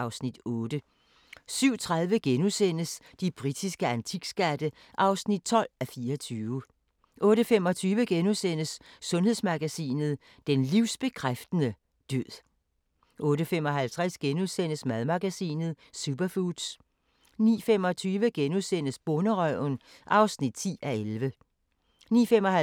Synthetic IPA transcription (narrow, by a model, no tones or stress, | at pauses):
ʔɑ̈ʊsnid̥ɔ̽ːd̥ə | syʊ̰t͡sʰʁað̞ˠʋəɡ̥enusen̰əs | d̥ib̥ʁid̥isɡ̥əænt͡sʰiɡ̥sɡ̥æd̥ə | ʔɑ̈ʊsnid̥̚t͡sʰɒ̽l̰æfiːɐɒt͡sʰyːʋə | ʔɔ̽ːɾ̥əfem̰ɒ̽t͡sʰyːʋəɡ̥enusen̰əsːɔ̽nhe̝ð̰ˠsmɑ̈ɡ̥æsḭːnð̞̩ˠ | d̥enliʊ̰sb̥e̝kʰʁafd̥ənə | d̥øð̰ˠ | ʔɔ̽ːɾəfem̰ɒ̽ɦælt͡sʰʁasɡ̥enusen̰əsmæðˠmɑ̈ɡ̥æsḭːnð̩ˠ | sub̥ɐfud̥s | nḭːfem̰ɒ̽t͡sʰyːʋəɡ̥enusen̰əsb̥ɔnəʁœʊ̰n | ʔɑ̈ʊsnid̥t͡sʰḭːæelʋə | nḭːfem̰ɒ̽hæ